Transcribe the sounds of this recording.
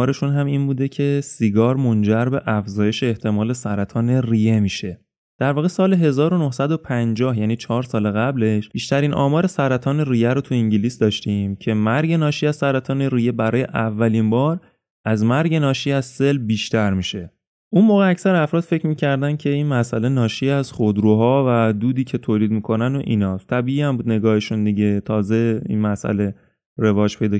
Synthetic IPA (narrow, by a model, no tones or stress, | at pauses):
ɒːɾe̞ʃunɦæmiːnbuːd̪e̞cʰe̞siɡɒːɾmo̞nd͡ʒæɾbe̞ʔæfzɒːje̞ʃe̞ːht̪ʰe̞mɒːle̞sæɾæt̪ʰɒːne̞rije̞miːʃe̞ | d̪̥æɾvɒːɣesɒːle̞ɦe̞zɒːɾo̞nohsæd̪o̞pʰænd͡ʒɒːhjæːniːt͡ʃʰɒːɾsɒːleɣæble̞ʃb̥iːʃt̪æɾiːnʔɒ̰ːmɒːɾe̞sæɾæt̪ʰɒːne̞rijæɾot̪ʰuiɲɟiliːsd̪ɒːʃt̪iːmcʰe̞mæɾɟe̞nɒːʃiːæz̥sæɾæt̪ʰɒːne̞rije̞bæɾɒːje̞ʔævːæliːnbɒːɾ | ʔæzmæɾɟe̞nɒːʃiːæzse̞lbiːʃt̪æɾmiːʃe̞ | ʔunmoːɣeæcsæɾæfɾɒːd̪fe̞cʰmiːcʰæɾd̪æncʰe̞inmæsʔæle̞nɒːʃiːæz̥χod̪ɾuːɦɒːvæd̪uːd̪iːcʰe̞t̪ʰoːliːd̪̚miːkʰo̞næno̰ʔinɒːt̪ʰæbiːʔiːæmbuːd̪ne̞ɡɒːheʃund̪iɟe̞t̪ʰɒːze̞ḭnmæsʔæ̰le̞ | ɾe̞vɒːd͡ʒpʰe̞jd̪ɒː